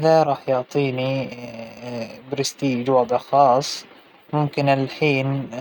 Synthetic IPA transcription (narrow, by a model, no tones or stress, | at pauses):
ʔɪðaɾˤɑːħjʊʕt̪ˤiːni | bɾɪst̪iːd͡ʒwɑd̪ˤɑxɑːsˤ | mʊmkɪnɪlħiːn